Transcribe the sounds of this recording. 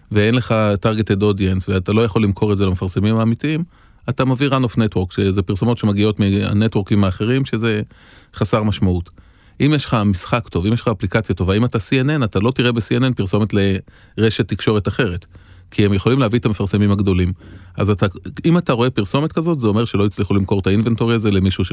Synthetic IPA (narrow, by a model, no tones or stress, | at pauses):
veenleχataʁɡe̞t̪edodjensveat̪alo̞jaχo̞lːimkʰo̞ʁetze̞lamefaʁse̞mimhaːmitiim | atamaviʁanofnetwo̞ʁkʃezepiʁso̞mo̞tʃe̞maɡio̞tmia̰netwo̞ʁkimaːχe̞ʁimʃe̞ze̞ | χasaʁmaʃmaut | ʔimjeʃχamisχakto̞vimjeʃχaːplikat͡sjato̞vaimatasiene̞natalo̞tiʁebesienenpiʁso̞metle̞ | ʁe̞ʃetːikʃo̞ʁetaχe̞ʁe̞t | kʰiemjeχo̞limleavietame̞faʁse̞mimaɡd̪o̞limʔazataimataʁo̞e̞piʁso̞metkazo̞tzeo̞meʃe̞loit͡sliχulimko̞ʁtainvento̞ʁiaze̞le̞miʃuʃ